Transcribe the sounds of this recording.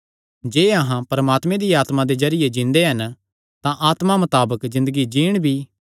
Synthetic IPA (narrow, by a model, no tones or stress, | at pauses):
d͡ʒeːɐɦãpɐɾɐmaːt̪mẽd̪iaːt̪mãd̪ezɐɾɪjed͡ʒɪ̃nd̪eɦɐn | t̪ãʔaːt̪mamɐt̪aːbəkzɪ̃nd̪əɡid͡ʒiːɽ̃bʱi